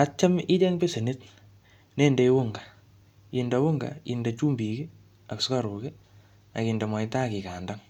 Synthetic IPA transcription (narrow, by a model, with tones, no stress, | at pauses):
a˨t͡ʃːa˦mɪ˦dɛ˦ŋpe˦se˨nɪ˦t | ne˦˨nde˦i˦wʊ˦ŋɡa˨ | i˨nda˨wʊ˦ŋɡa̰˨ḭ˨nda˨t͡ʃu˦mbi˨ki˦ | a˨kska˦ɾu˨ke˦ | a˨ki˨nda˨ma˨ɪ˦ta˦ki˨ka˨nda˦ŋ